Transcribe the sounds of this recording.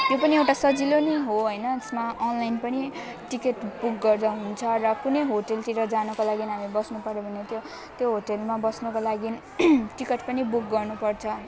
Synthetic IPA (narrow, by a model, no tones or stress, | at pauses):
jjopʌniewʈasʌd͡zilonʌɦoɦʌjnʌesmaʔʌnlajnpʌni | ʈikeʈbuk̚ɡʌrd̪ʌɦunt͡sʰʌɾʌkunʌjɦoʈelt̪iɾʌd͡zanukolaɡinɦamibʌsnupʌɾjobʱʌnet̪jo | t̪joɦoʈelmabʌsnukolaɡi | ʈikeʈ̚pʌnibuk̚ɡʌrnupʌrt͡sʰʌ